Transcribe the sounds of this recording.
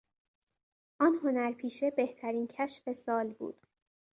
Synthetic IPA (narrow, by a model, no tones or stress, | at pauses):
ʔɒːnho̞næɾpʰiːʃe̞beht̪ʰæɾiːncʰæʃfe̞sɒːlbṵːd̪̥